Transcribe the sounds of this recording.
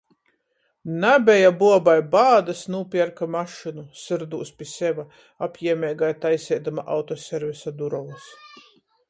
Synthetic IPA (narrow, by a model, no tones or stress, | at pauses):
nabʲɛjabuɔbajbaːd̪asnuːpʲiɛɾkamaʃɨnusɨɾd̪uːspʲiɛsʲɛva | apʲjiɛmʲɛːɡajt̪ajsʲɛjd̪amaʔawt̪ɔsʲɛɾvʲisad̪uɾɔvus